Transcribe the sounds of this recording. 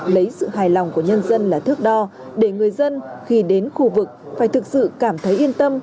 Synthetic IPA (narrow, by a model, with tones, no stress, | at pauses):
lə˨˦jsɨ̰˧˨ɦaː˨˩jla˨˩wŋ͡mku˧˩əɲə˧nzə˧nlaː˨˩t̪ʰɨ˦˥ək̚ɗɔ˧ | ɗe˧˩ŋɨ˨˩əjzə˧nxi˧ɗe˨˦nxu˧vɨ˨˩k̚faː˧˩jt̪ɨ˨˩k̚sɨ̰˧˨kaː˧˩mt̪ʰə˨˦jʔi˧ənt̪ə˧m